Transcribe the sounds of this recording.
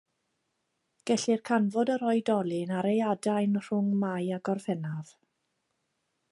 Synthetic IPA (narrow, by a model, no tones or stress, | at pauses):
ɡ̥ɛɬirkʰanvɔdəɾɔɨdɔlˠɪnaɾejadajnr̥ʊŋmajaɡɔrfɛnav̥